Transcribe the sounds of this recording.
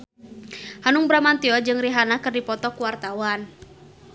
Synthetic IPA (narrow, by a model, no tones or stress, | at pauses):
hanuŋbɾamant̪iɔd͡ʒɨŋriɦanakɨrdipɔt̪ɔkuwart̪awan